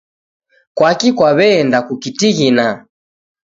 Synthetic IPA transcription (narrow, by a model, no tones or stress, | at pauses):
kwakikwaβɛːndakukitiɣina